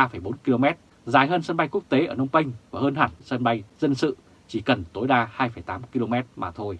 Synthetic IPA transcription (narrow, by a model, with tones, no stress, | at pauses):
aː˧fə˧˩jɓo˨˦nki˧lo˧mɛ˦˥t̚ | zaː˨˦jɦəː˧nsə˧nɓa˧jku˦˥ək̚t̪e˨˦ʔəː˧˩nə˧wŋ͡mpə˧jŋ̟vaː˨˩ɦəː˧nhaː˧˩nsə˧nɓa˧jzə˧nsɨ̰˧˨ | t͡ɕi˧˩kə˨˩nt̪o˨˦jɗaː˧haː˧jfə˧˩jt̪aː˨˦mki˧lo˧mɛ˦˥t̚maː˨˩t̪ʰo˧j